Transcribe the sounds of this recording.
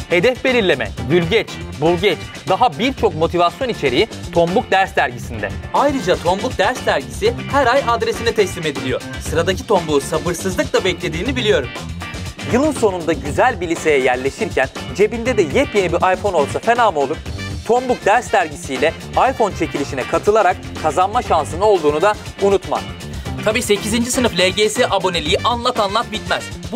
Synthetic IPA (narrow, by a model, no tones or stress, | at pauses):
he̞d̪ɛfbe̞lʲiɾlʲe̞mɛ̰d̪ylʲɟɛt͡ʃbulˠɟɛt͡ʃ | d̪aɦabiɾt͡ʃʰo̞kmo̞t̪ʰivasjo̞nit͡ʃʰe̞ɾijit̪ʰo̞mbuk̚d̪æɾst̪æɾɟisind̪ɛ̰ajɾɯd͡ʒat̪ʰo̞mbuk̚d̪æɾst̪æɾɟisihæɾajad̪ɾe̞sinɛt̪ʰɛslʲime̞d̪ilʲijo̞ɾ | sɯɾad̪acit̪ʰo̞mbuːsabɯɾsɯzˠɯklˠabɛclʲe̞d̪iːnibilʲijo̞ɾum | jɯlˠɯnso̞nund̪aɟyzælʲbilʲise̞jɛjæɾlʲe̞ʃiɾcʰænd͡ʒe̞bind̪ɛd̪ɛjɛpjenibiɾʔajfo̞no̞lˠsafe̞naːmo̞lˠuɾt̪ʰo̞mbuk̚d̪æɾsːæɾɟisijlʲɛ | ajfo̞nt͡ʃʰe̞cʰilʲiʃinɛkʰat̪ʰɯlˠaɾak̚ | kʰːazanmaʃansɯnɯo̞lˠd̪uːnud̪a | unut̪ma̰ | t̪ʰabiːse̞cʰizind͡ʒisɯnɯflʲeɟeseʔabo̞ne̞lʲijiʔanlˠat̪anlˠat̪bit̪mæz̥b